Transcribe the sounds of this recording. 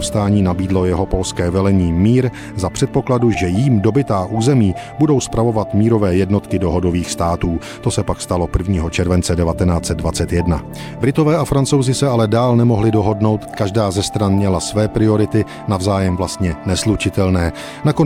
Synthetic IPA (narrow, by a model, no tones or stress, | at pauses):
fst̪aːɲiːnabiːdlo̞jɛɦo̞po̞lskɛːvɛlɛɲiːmiːɾ | zapr̥ɛt̪̚po̞kladuʒɛjimdo̞bɪt̪aːʔuːzɛmiːbudo̞wspɾavo̞vat̪miːɾo̞vɛːjɛdno̞t̪kɪdo̞ɦo̞do̞viːxst̪aːt̪uː | t̪o̞sɛpakst̪alo̞pr̩vɲiːɦo̞t͡ʃɛɾvɛnt͡sɛdɛvat̪ɛnaːt͡sɛd̪̚dvat͡sɛt̪jɛdna | bɾɪt̪o̞vɛːafɾant͡sowzɪsɛalɛdaːlnɛmo̞ɦlɪdo̞ɦo̞dno̞wt̪kaʒdaːzɛst̪ɾanmɲɛlasvɛːpɾɪo̞ɾɪt̪ɪ | navzaːjɛmvlast̪ɲɛnɛslut͡ʃɪt̪ɛlnɛː | nako